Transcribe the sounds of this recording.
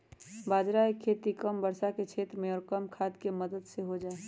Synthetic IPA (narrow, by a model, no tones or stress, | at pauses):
baːd͡ʒɾaːikʰːeːt̪ikəmbəɾsaket͡ʃʰeːt̪ɾmẽɔːɾkəmkʰaːd̪keməd̪əd̪seɦod͡ʒaːe